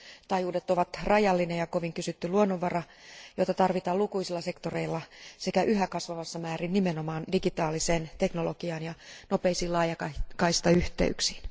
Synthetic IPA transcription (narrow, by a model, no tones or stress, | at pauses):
t̪ɑjuːdet̪oʋɑt̪rɑjɑlːinejɑkoʋiŋkysyt̪ːyluonːoʋʋɑrɑ | jot̪ɑt̪ɑrʋit̪ɑːlukuisilːɑse̞kt̪oreilːɑsekæʔyhækɑsʋɑʋɑsːɑmæːrinnimenomɑːndiɡit̪ɑːliseːnt̪eknoloɡiɑːnjɑnopeisiːlɑːjɑkɑkɑist̪ɑyht̪ḛyksi̥ːn